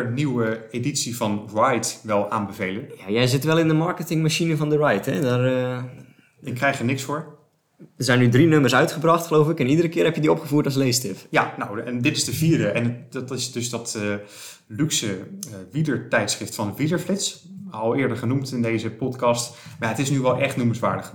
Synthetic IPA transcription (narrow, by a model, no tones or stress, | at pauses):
əəniwəeditsivɑnɹajtʋɛlˠaːnbəvejlənjajɛjzɪtʋɛlˠɪndəmɑɹkətɪŋmaʃinəvɔndərajtɛ̰darə | ɪkːrɛjxəɹnɪksfʊːɹ | əzɛjnydrinɵməɹsœɥtχəbrɑχtχəlowfɪkɛnidəɾəkɪːɹɦɛpjədiɔpχəvuːɹtɔs̬lejstɪfjanowɛndɪtɪsdəviːɹdəʔɛndtɪsdɵsdɑtə | lyksəʋidəɹtɛjtsχrɪftfɑndəvidəɹflɪts | ɑlˠɪːɹdəɹχənumtɪndejzəpɔtkɑstmajaɦətɪsnyʋɛlˠʔɛχtnuməsʋaːɹdəχ